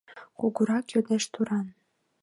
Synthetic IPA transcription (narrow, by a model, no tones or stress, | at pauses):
kuɣuɾɑkjød̪eʃt̪uɾɑn